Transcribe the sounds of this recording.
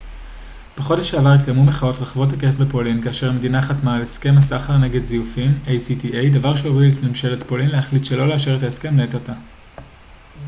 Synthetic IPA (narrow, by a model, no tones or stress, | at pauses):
b̥eχo̞deʃeavaʁit̪ɡamume̞χao̞tʁaχavo̞thakefbe̞po̞linkaːʃe̞ʁme̞dinaχatmaleske̞masaχaʁneɡe̞dzijufimejsitiʔejdavaʁʃeovitmemʃeletpo̞linlehaχlitʃe̞lo̞leaʃeʁetaeske̞mleetata